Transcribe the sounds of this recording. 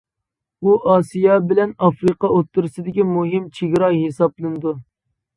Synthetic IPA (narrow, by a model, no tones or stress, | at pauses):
uʔɑːsijɑbɪlɛnɑfɾɨqɑot̪ʰːuɾɨsɨd̪ɪkʲimuɦɪmt͡ʃʰiɡʲɾɑɦesɑplˠɨnɨd̪u